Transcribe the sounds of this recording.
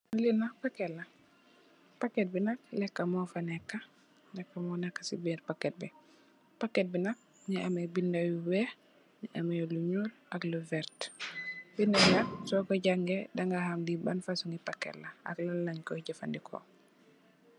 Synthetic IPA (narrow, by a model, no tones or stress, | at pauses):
nulinapakelːa | pakːet̚binak̚lɛkːamɔfanɛkːa | nɛkːamɔnakːḁsibiɾpakːet̚bi | pakːet̚binak̚ | niamebindajuwɛ | niʔamɛjoluɲul | akluvɛɾt | bindawjak̚sɔkoɟaŋɡedaŋɡahamdibanfasuŋɡipakːɛ̰lːaa̰klalaɲkɔɟafa̰ndikʰo̰